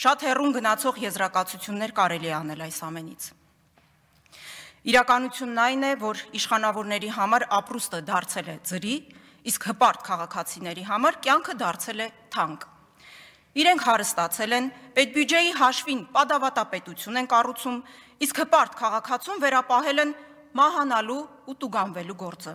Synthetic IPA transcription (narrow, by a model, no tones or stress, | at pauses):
ʃɑt̪hɛrumɡənɑt͡sʰɔʁjɛzɾɑkɑt͡sʰut͡sʰjunːɛɾkɑɾɛliɛɑn̪ɛlɑjsɑmɛnit͡sʰ | iɾɑkɑnut͡sʰjunːɑjnɛvɔɾiʃχɑnɑvɔɾnɛɾiɦɑmɑɾɑprust̪əd̪ɑɾt͡sʰɛlɛd͡zəɾi | iskhəpɑɾt̪̚kʰɑʁɑkʰɑt͡sʰinɛɾiɦɑmɑɾkjɑŋkʰəd̪ɑɾt͡sʰɛlɛt̪ʰɑŋk | iɾɛŋkʰhɑɾəst̪ɑt͡sʰɛlɛnpɛt̪̚bjud͡ʒɛjiɦɑʃvinpɑd̪ɑvɑt̪ɑpɛt̪ut͡sʰjunɛnkɑrut͡sʰum | iskhəpɑɾt̪kʰɑʁɑkʰɑt͡sʰumvɛɾɑpɑɦɛlɛn | mɑɦɑnɑluː | t̪uɡɑnvɛluɡɔɾt͡sə